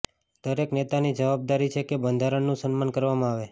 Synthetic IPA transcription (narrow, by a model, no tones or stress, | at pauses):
d̪̥əɾeknet̪anid͡ʒəʋab̚d̪aɾit͡ʃʰekebənd̪ʱaɾəɳnũsənmankəɾʋamãaʋe